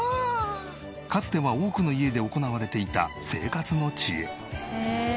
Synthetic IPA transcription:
kat͡sɨ̥t̪e̞βao̞ːkɯ̟no̞ie̞d̪e̞o̞ko̞naβ̞aɾe̞t̪e̞it̪a̰se̞̰ːkat͡sɨno̞t͡ɕie

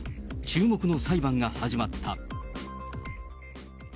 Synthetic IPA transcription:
t͡ɕɨːmo̞kɯ̟no̞saibãŋɡahaʑimat̪ʰːa

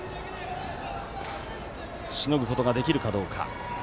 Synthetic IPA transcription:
ɕino̞ɡɯ̟ko̞t̪o̞ɡad̪e̞kʲiɾɯ̟kad̪o̞ːkʰa̰

